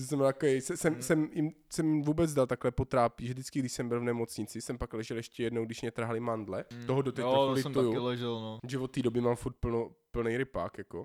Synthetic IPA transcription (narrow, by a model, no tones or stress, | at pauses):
osmljakojɛjsɛsɛmsɛmjɪmsɛmvuːbɛd͡zdalt̪aklɛpot̪ɾaːpiʒɛvdɪt͡skɪɡdɪʃsɛmbɪlvnɛmot͡sɲɪt͡sɪsɛmpaklɛʒɛlɛʃcɛjɛdnowɡdɪʃmɲɛt̪r̩ɦalɪmandlɛt̪oɦodot̪ɛalɪt̪ujulɛʒɛlnoʒɛvot̪ːiːdobɪmaːmfuɾt̪̚plnopl̩nɛjɾɪpa̰ːkjako